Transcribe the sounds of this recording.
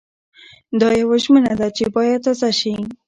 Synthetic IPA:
d̪ɑjawaʒmənad̪at͡ʃebɑjad̪̚t̪ɑzaʃi

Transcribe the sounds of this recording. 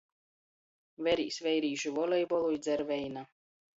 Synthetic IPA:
vɛɾḭːsvɛjɾiːʒuvɔlʲɛjbɔlˠujd̪zʲɛɾvɛjna

